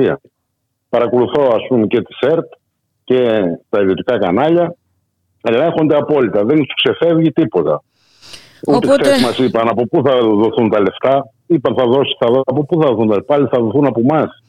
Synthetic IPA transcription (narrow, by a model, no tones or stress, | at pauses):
iɐ̰ | pɐɾɐko̞luθo̞ɐspunce̞t̪i̥se̞ɾt̪ | ce̞t̪ɐiðio̞t̪ikɐkɐnɐʎɐ | ɐʎexo̞nd̪e̞ɐpo̞lit̪ɐðensu̥kse̞fe̞vʝit̪ipo̞t̪ɐ | ut̪eksemɐsipɐnɐpo̞puθɐðo̞θunt̪ɐle̞ft̪ɐ | ipɐnθɐðo̞si̥θɐðpopuθɐðoθunt̪ɐlepɐliθɐðo̞θunɐpo̞mɐs